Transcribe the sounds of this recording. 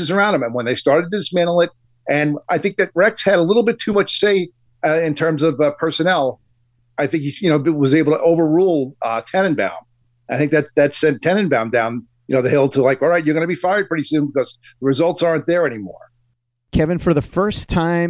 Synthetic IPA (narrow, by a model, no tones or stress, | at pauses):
ɨzə˞ãʊ̃nɨ̃mɨ̃nwə̃nðeɪstɑɹɾɨdt̚ʰɨðɨsmæ̃nl̩ˠɪt̚ | ɨ̃nʔaɪθɪ̃ŋk̚ðɨt̚ɹɛkshɨɾəlɪɾl̩ˠbɪtʰʉmʌt͡ʃseɪ | ɪ̃ntʰɜ̃˞mzʌvpʰɜ˞sɨnɛlˠ | aɪθɪ̃ŋkijɨnoʊɨt̚wʌzeɪbl̩ˠtʰə̰ʔoʊvə˞ɹulˠʌtʰɛnɨ̃nbã̰ʊ̃n | aɪθɪ̃ŋk̚ðætðætsɛ̃ntʰɛ̃ñɨ̃nbãʊ̃ndãʊ̃n | jɨnoʊðɨhɪlˠtʰəlaɪkɔlˠɹaɪtjə˞ɡʌnɨbifaɪə˞d̚pʰɹ̥ɪɾisʉ̃nbɨkʌz | ðəɹɨzʌlˠtsɑɹɨ̃nðə˞ɛñimɔ̰ɹ | kʰɛvɨ̃nfə˞ðəfɜ˞stʰãɪ̃